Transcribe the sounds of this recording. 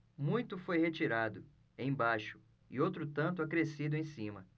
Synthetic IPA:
mũj̃t̪ʊfojhet͡ʃiɾad̪ʊ | ẽj̃bajʃʊ̥ | ɪowt̪ɾʊt̪ɐ̃nt̪ʊakɾesid̪ʊẽj̃sĩmɐ

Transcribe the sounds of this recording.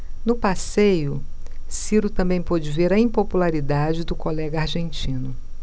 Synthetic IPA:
nʊpasejʊsiɾʊt̪ɐ̃mbẽj̃pɔd͡ʒɪveɾɐĩpopulaɾid̪ad͡ʒɪd̪ʊkolɛɡɐaɾʒẽnt͡ʃĩnʊ

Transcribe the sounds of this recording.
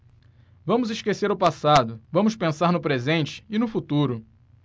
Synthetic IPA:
vɐ̃mʊzɪʃkeseɾʊpasad̪ʊvɐ̃mʊspẽsaɾnʊpɾezẽnt͡ʃɪ̥ɪnʊfut̪uɾʊ

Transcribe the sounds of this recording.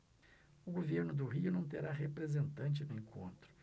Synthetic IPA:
ʊɡoveɾnʊd̪ʊɦiʊnɐ̃w̃t̪eɾaɦepɾezẽnt̪ɐ̃nt͡ʃɪnẽŋkʰõ̰nt̪ɾʊ̥

